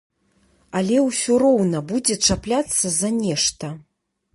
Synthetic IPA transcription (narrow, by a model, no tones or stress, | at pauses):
alʲɛwsʲɔɾɔwnɐbud͡zʲɛt͡ʂaplʲat̪sːɐzɐnʲɛʂt̪ɐ